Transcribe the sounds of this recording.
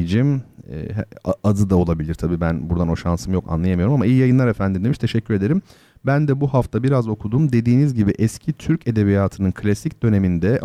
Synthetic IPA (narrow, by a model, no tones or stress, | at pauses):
d͡ʒim̰ː | aad̪ɯd̪ao̞lˠabilʲiɾt̪ʰabiːbænbuɾd̪ano̞ʃansɯmjo̞kʰa̰nˠajamɯjo̞ɾumamaijijajɯnlˠaɾe̞fænd̪ind̪eiʃt̪ʰe̞ʃɛcʰːyɾed̪e̞ɾim | bænd̪ɛbuhaft̪ʰabiɾazo̞kʰud̪umd̪e̞d̪iːnizɟibiʔɛscʰit̪ʰyɾce̞d̪e̞βijaːt̪ʰɯnɯnkʰlʲasicd̪ø̞ne̞mind̪ɛ